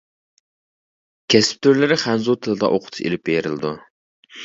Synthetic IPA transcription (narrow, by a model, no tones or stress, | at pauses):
kʲʰɛsɪ̥p̚t̪ʰøɾlɪɾɪχænzut̪ʰɨlˠɨd̪ɑ̰ʔoqʰʊ̥t̪ʰʃḛlɪp̚beɾɪlɪd̪u